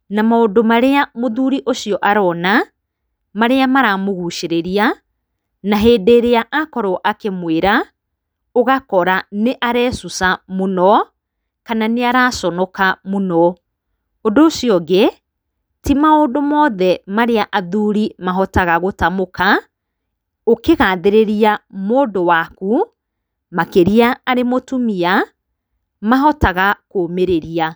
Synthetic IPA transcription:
namaondomaɾeamoðuɾiʔoʃiɔʔaɾɔːna | maɾeamaɾamoɣuʃeɾeɾia | naɦeːdeːɾeaʔakɔɾɔʔakemweɾa | oɣakɔɾaneʔaɾɛːsusamonɔ | kananeaɾasɔnɔkamonɔ | ondosiɔɡe | timaondomɔːðɛmaɾeaʔaðuɾimaɦɔtaɣaɣotamoka | okeɣaːðeɾeɾiamoːdowaku | makeɾiaːɾemotumia | maɦɔtaɣakomeɾeɾia

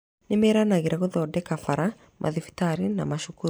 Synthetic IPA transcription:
nemeɾanaɣeɾaɣoðɔːdɛkafaɾa | mʔa̰ðifi̥taɾina̰maʃuku

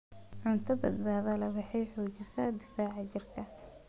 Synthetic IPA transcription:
ʕʊnt̪ʰɐbɐ̰d̪̚baːðɐlɐwɑħɛjħʊːt͡ʃɪsɐd̪ɪfaːʕɑt͡ʃɪrkʰɐ

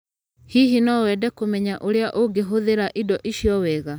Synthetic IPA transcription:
hiɦinɔwɛdɛkomɛɲaʔoɾeaʔoɡeɦoðeɾaʔidɔʔiʃiɔwɛɣa

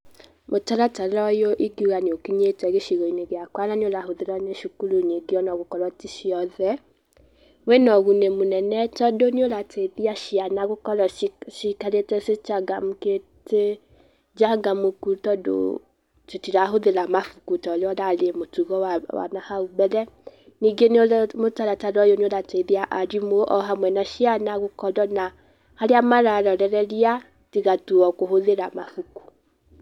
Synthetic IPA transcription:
motalataɔjoʔiɡiuɣanokiɲetɛɡeʃiɣoineɡeakwalanioɾahoðelɔneʃukuluɲeɡiɔnɔɡokɔlɔtiʃiɔðɛ | wenɔɣunemunɛnɛtɔdonolatʰeðiaʃianaɡokɔlɔʃikaleteset͡ʃaɡamuke | te | d͡ʒaɡamokutɔdo̰ | tetiɾaɦoðeɾamafukutɔleɔɾalemotuɣɔawa̰nahaubɛlɛ | niɡenomotaɾataɾɔjonoɾateðiaʔaɾimoʔɔɦamwɛnaʃianaɣokɔɾɔna | haɾeamaɾaɾɔɾɛɾɛɾia | tiɣatuɔkoɦoðeɾamafuku̥

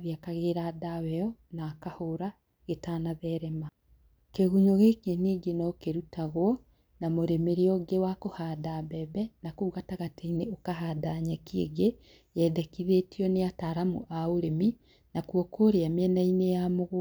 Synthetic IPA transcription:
βjakaɣeɾadawɛɔnakahoɾa | ɣetanaðɛɾɛma | keɣuɲoɣekeniːɡenɔkeɾutaɣwɔ | namoɾemeɾeɔɡewakohaːdabɛbɛnakuuɣataɣateineokaɦaːdaɲɛkiḛɡe | jɛðɛkiðetiɔneataɾamṵʔaoɾemi | nakwɔkʰoɾeamɛnainejamoɣo

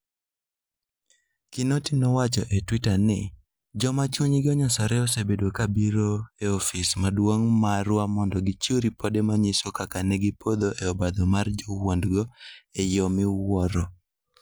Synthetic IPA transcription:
kɪnotɪnɔwat͡ʃɔʔetwitanɪ̰ | d͡ʒɔmat͡ʃuɲɡɪɔɲɔsɔɾɛɔsebedwokabiɾoeofismadwoŋmaɾwamɔndɔɡit͡ʃoɾipodemaɲɪsokakanɛɡipod̪oʔeɔbad̪ɔmard͡ʒɔwondɡɔejɔmɪwwɔɾɔ

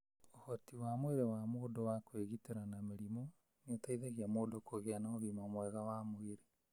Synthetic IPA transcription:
ohɔtiwamweɾewamoːdowakweɣiteɾanameɾimo | neotaiðeɣiamoːdokoɣeanaoðimaomwɛɣawamoeɾe

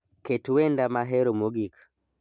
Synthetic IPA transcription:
ketuwɛndamaɦeɾomoɡikḁ

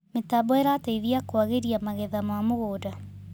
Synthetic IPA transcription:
metabɔɛɾataiðiakwaɣeɾiamaɣɛðamamoɣoːda

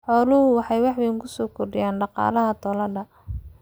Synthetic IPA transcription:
ħɔːlʊhʊwɑħɑjwɑħwɪŋkʰʊsɔːkʰɔrɖɪjaːnɖɑqɑ̰ːlɐɦɐt̪ʰɔlɐɖɐ

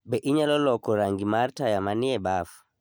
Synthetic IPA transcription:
bɛʔiɲalɔlɔkɔɾaŋɡimaɾtajamaniɛbafu̥

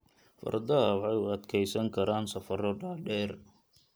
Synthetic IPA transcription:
fɐ̰rd̪ɐɐħɑjʊɐd̪kʰɛjsɐŋkʰɐɾaːnsɐfɐɾɔɖaːɖɛːr

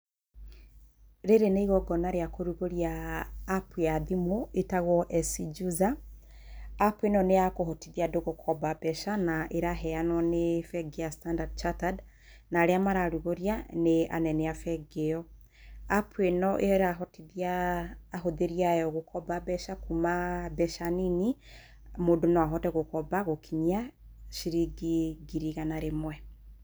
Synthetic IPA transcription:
ɾeɾeneiɣɔɡɔnaɾeakoɾuɣoɾjaː | pweaðimoetaɣɔʔɛsid͡ʒuzaː | pwenɔneakoɦɔtiðiadoɣokʰɔbabɛʃanaʔeɾaɦɛanwɔnefɛɡeastandadt͡ʃatad | naɾeamaɾaɾuɣoɾjanea̰nɛnɛafɛɡeɔ | apʰwenɔʔeɾaɦɔtiðiaː | ɦoðeɾiajɔɣokɔbabɛʃakumabɛʃanini | modonɔaɦɔtɛɣokɔbaɣokʰiɲia | ʃiɾiɡiɡiɾiɣanaɾemwɛ

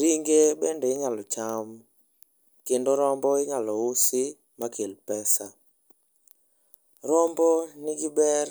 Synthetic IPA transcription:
ɾiŋɡebɛndɛɪŋalɔt͡ʃam | kendoɾɔmbɔɪŋalɔʊsɪ | makelpɛsa | ɾɔmbɔnɪɡɪbɛr

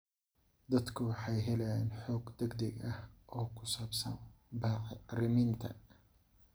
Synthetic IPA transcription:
d̪ɐd̪kʰʊwɑħɑjɦɛlɛjaːnħɔːɡd̪ɛɡd̪ɐɡɐhʔɔːkʰʊ̥saːbsɐ̰nbaːʕɪrɪmɪnt̪ʰɐ̰

